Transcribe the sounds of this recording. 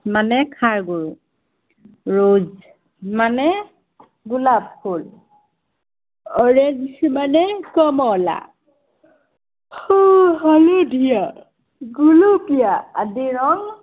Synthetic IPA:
manɛkʰaɹɡuɹu | ɹoz | manɛ | ɡulab̚hol | ɔɹensmanɛkɔmɔla̰ | hoɦaludija | ɡulupijaːdiɹɔŋ

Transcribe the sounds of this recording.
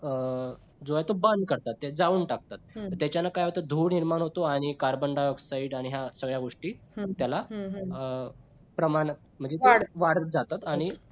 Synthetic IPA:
ə | d͡zojat̪obənd̪̚kəɾt̪at̪ːed͡zauːɳʈakt̪at̪̚t̪jat͡ɕjanakajɦot̪əd̪ʱuːɽniɾmanɦot̪oaɽ̃ikaɾbəɳɖajoksaiɖaɽ̃iɦjasəɡɭjaɡoʂʈiːt̪jala | pɾəmanət̪m̤əɳd͡zeaɽʋaɽd͡zat̪at̪aɽ̃i

